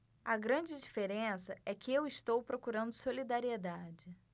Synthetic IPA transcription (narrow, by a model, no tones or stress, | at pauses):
ɐɡɾɐ̃d͡ʒɪd͡ʒifeɾẽsɐɛkɪewɪst̪owpɾokuɾɐ̃nd̪ʊsolid̪aɾied̪ad͡ʒɪ